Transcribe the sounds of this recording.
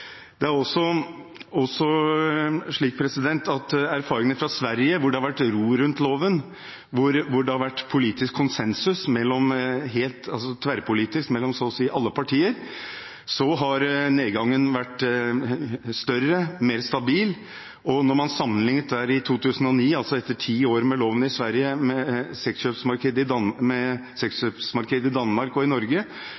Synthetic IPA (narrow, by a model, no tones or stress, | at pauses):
d̪̥ɛæɾɔsːɔ | ɔsɔ | ʂɭiːk̚pʰɾɛsɪd̪ɛnt̪ɑt̪æɾfɑːɾɪŋənfɾɑsʋæɾjəʋʊɖɛhɑɾʋæʈːɾuːɾʉnt̪loːʋən | ʋʊɾʋʊɖɛhɑɾʋæʈːpʰʊliːt̪ɪskʰːʊnsɛnsʉsmɛlːɔmɦeːlt̪ʰɑlsɔt̪ʰʋæɾpʰʊliːt̪ɪskmɛlːɔmsɔsiːʔɑlːəpʰɑʈʰiːəɾ | sɔɦɑɾneːd̪ɡɑŋːənʋæʈː | st̪œɾːəmeːɾst̪ɑbiːl | ʔɔnɔɾmɑnsɑmːənlɪŋət̪̚d̪æːɾɪt̪ʰuːt̪ʰʉːsən̩ɔniːɑlsɔɛt̪ːəʈʰiːoːɾmɛloːʋənɪsʋæɾjəmɛsɛksʃøːpsmɑɾkʰeːd̪əɪmɛsɛksʂøːpsmɑɾkʰeːd̪əɪd̪ɑnmɑɾkɔɪnɔɾɡə